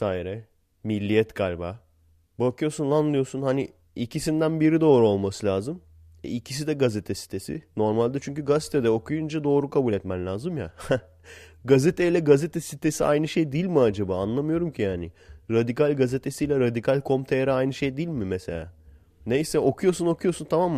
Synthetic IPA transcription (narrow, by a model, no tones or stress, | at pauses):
saːiɾɛ | milʲːijɛt̪kʰalʲba | bakʰɯjo̞sunlˠanlˠɯjo̞sunhani | icʰisind̪ænbiɾid̪o̞ːɾuo̞lˠmasɯlʲaːzɯm | ɛ̰icʰis̬id̪ɛɡazet̪ʰɛsi̥t̪ʰe̞sḭno̞ɾmalʲd̪ɛt͡ʃʰyɲcyɡaze̥t̪ʰed̪ɛo̞kʰujund͡ʒad̪o̞ːɾukʰabulʲɛt̪mænlʲaːzɯmja̰ | ɡazet̪ʰejlʲɛɡazet̪ʰɛsit̪ʰe̞siʔa̰jnɯʃejd̪ilʲmiad͡ʒabaːnlˠamɯjo̞ɾumcʰijaːnɪɾad̪ikalʲɡaze̞t̪ʰesijlʲɛɾad̪ikʰalʲkʰo̞mt̪ʰeɾɛajnɯʃe̞jd̪ilʲmimeselʲa̰ː | nejsɛo̞kʰujo̞suno̞kʰujo̞sunt̪ʰamamː